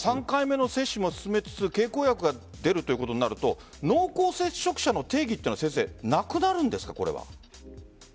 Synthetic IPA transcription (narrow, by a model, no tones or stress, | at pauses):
sãŋkaime̞no̞se̞ɕːɨmo̞sɨ̥sɨme̞t͡sɨ̥t͡sɨke̞ːkoːjakɯ̟ɡa | d̪e̞ɾɯ̟t̪oiɯ̟ko̞t̪o̞ɲ̟ina̰ɾɯ̟t̪o̞ | no̞ːko̞ːse̞ɕːo̞kɯ̟̥ɕano̞t̪e̞ːɡʲit̪eiɨnosẽɰse̞̰ːnakɯ̟naɾɯ̟̃nd̪e̞sɨ̥kako̞ɾe̞̰βa̰